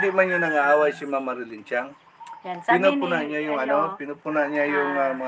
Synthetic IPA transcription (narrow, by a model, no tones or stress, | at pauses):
d̪iʔmanjanaŋaawajsimamaɾilint͡ʃaŋ | pinopʊnaɲajʊŋanopinopunaʔɲajʊŋama